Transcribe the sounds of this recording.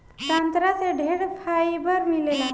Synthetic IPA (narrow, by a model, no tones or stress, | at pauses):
sant̪ɾaseɖʱeɽfʰaibəɾmilela